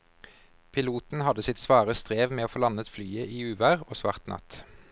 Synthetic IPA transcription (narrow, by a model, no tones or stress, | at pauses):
pʰɪluːt̪n̩hɑd̪əsɪt̪sʋɑːʁəst̪ʁeːʋmeːoːfoːlɑnət̪flyːəʔiːʉːʋæʁoːsʋɑ̰ʁt̪nʔɑ̰t̪